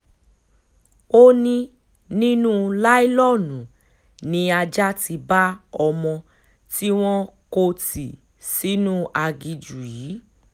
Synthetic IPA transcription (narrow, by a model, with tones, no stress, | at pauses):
o˦nĩ˧ | nĩ˦nũ˦la˦i˦lɔ˦˨nũ˨ | nĩ˧a˧d͡ʒa˦ti˧ba˦ɔ˧mɔ̃˧ | ti˦w̃ɔ̃˦ko˧ti˨ | si˨˦nũ˦ʔa˧ɡi˧d͡ʒu˨jiː˨˦